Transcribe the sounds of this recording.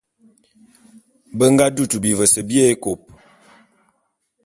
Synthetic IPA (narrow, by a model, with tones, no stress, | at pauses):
bə˦ŋɡa˦du˦˨tu˨bi˨və˨sə˨bje˦e˦ko˨p̚